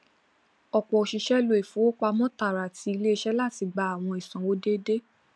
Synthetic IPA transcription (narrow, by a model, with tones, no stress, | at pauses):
ɔ˨k͡pɔ˨ʃi˧ʃɛ˦lo˦e˨fũ˨˦o˦k͡pa˧mɔ̃˦ta˨ɾa˨ti˧˦i˧le˦˧˦ʃɛ˦la˦˨ti˧ɡ͡ba˨˧a˨w̃ɔ̃˧i˨sɔ̃˨wo˦de˦de˦